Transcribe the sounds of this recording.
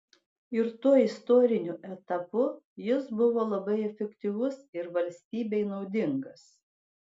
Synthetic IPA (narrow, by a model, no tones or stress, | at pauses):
ɪɾt̪uɔɪst̪oːɾʲɪnʲʊʔɛt̪ɐpʊ | jɪsbʊʋoːlˠɐbɐɪɛfʲɛkt̪ʲiʋʊsɪɾʋɐlʲsʲt̪ʲiːbʲɛɪnɒʊd̪ʲɪŋɡɐs